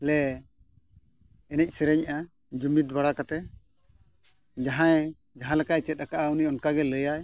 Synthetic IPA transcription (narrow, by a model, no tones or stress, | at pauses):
lɛ | ɛnɛc̚ˀsɛɾɛɲaʔa | d͡ʒumit̪̚baɽakat̪ɛ | d͡ʒaɦãɛ̃ | d͡ʒaɦãlɛkajt͡ʃɛt̪̚əkaʔauniɔnkaɡɛləjaj